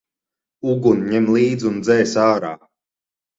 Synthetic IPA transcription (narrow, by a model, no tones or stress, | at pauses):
uɡunɲɛmlˠiːd̪zund̪zɛjsaːɾa̰ː